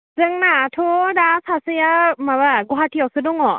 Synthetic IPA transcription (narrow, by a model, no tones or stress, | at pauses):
zɯŋnatʰodasasɯjamabaɡɔɦatʰijawsɯdɔŋɔ